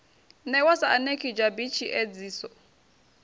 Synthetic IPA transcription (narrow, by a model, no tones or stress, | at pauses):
nɛwasaanekʰʼid͡ʒabit͡ʃʰiʔed͡ziːsɔ